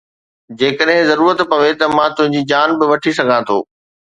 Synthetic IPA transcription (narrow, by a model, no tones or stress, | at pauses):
d͡ʑeːkəɗɦɪ̃zɐɾuːɾət̪pɐʋet̪ɐmãt̪ʊ̃ɦɪ̃ɲd͡ʑiːd͡ʑaːnbɪʋɐʈʰisɐɡʱãt̪ʰo̰ː